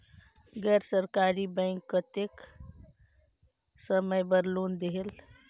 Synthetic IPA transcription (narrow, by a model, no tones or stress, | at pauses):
ɡɛɾsəɾkaɾibə̃ɪŋkːət̪ek | səməjbəɾlond̪eɦel